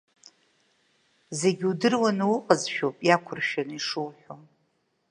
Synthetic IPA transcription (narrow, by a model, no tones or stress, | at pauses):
ze̞ɡʲudɨrwanwʊqʼəzʃᶣopʼjakʷʰʊrʃᶣaniʂɨwħʷᶣom